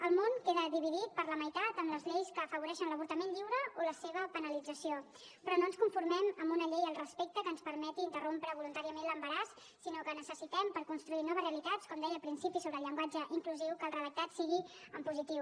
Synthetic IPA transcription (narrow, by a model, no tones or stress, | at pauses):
əlˠmoŋkeðəðiβiðit̪̚pəɾləməjt̪at̪əmləzʎejskəːfəβuɾɛʃənləβ̞uɾt̪əmenʎiwɾəoləseβ̞əpənəlid͡zəsio | pɾɔnoənskuɱfuɾmɛməmbunəʎejəlˠrəspek̚t̪əkənspəɾmɛt̪iːnt̪ərompɾəβulunt̪aɾiəmenləmbəɾasː | inokənəsəsit̪ɛmpəɾkunst̪ɾuinɔβəzreəlit̪at͡skɔmd̪ɛjəlˠpɾinsipisoβɾəlʎəŋɡwad͡ʒəʔiŋkluziwkəlˠrəðək̚t̪at̪siɣiəmpuzit̪iw